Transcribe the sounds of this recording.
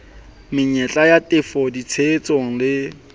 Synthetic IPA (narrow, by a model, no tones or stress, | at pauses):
mɪɲɛt͡ɬʼajatʼɪfɔdit͡sʰeːt͡sʼoŋ̩lɪ